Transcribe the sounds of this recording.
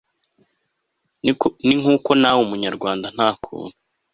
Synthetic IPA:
niŋ̥uːko̞nawumuɲaɾɡwaːndan̥haːkʰṵːnu

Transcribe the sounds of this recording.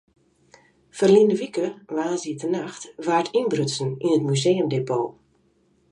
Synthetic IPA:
fərlindəʋikəʋaːziətənaxtʋaːtʰinbrøsn̩inətmyzeːəmdepoː

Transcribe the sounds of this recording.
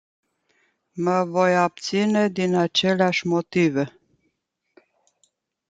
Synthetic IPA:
məvo̞jab̚t̪sine̞d̪inat͡ʃe̞leaʃʲmo̞t̪ive̞

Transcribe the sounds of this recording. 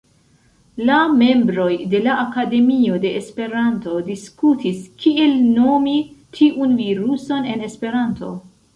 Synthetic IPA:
lame̞mbɾo̞jde̞laʔakade̞mio̞de̞ʔːspe̞ɾanto̞diskutiskie̞lno̞mitʰiʔunviɾuso̞ne̞ne̞spe̞ɾanto̞̰

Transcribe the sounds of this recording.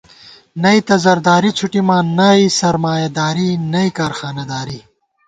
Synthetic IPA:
nɐit̪ɐzɐɾd̪aːɾit͡sʰuʈimaːnɐisɐɾmaːjɐd̪aːɾinɐikaːɾxaːnɐd̪aːɾi

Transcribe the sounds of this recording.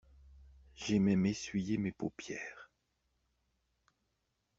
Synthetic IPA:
ʒemɛmesɥijemepopjɛːʁ

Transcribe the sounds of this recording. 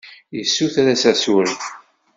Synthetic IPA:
jəsːuθæɾæsæsuɾi

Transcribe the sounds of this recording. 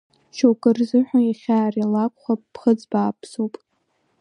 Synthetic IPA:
ʃʰowkʼɨrzɨħʷᶣajaχʲaːralakʷʼχʷapːχəd͡zbaːpʰsupʼ

